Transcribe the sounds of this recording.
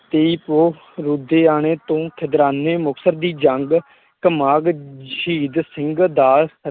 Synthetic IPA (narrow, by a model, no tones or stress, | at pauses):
t̪eːiːpoː | ɾud̪eːaːɳ̃eːt̪õːk̪ʰɪd̪ɾaːneːmʊksəɾd̪iːd͡ʒəŋɡ | kəmaːɡiːd̪sɪŋɡd̪aːs